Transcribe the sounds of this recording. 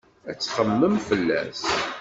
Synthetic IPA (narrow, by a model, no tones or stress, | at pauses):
æt͡sːχəmːəmfəlːæ̰s